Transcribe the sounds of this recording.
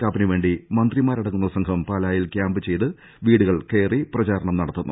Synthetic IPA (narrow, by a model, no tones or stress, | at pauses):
kaːpinɨʋe̞ːɳɖimɐnd̪rimaːɾɐɽɐkːunːɐsɐŋkʰɐmpaːlaːjilkjaːmbɨt͡ɕe̞jt̪ɨ | ʋiːɽuɣɐɭke̞ːriprɐt͡ɕaːɾɐɳɐmnɐɽɐt̪ːunːṵ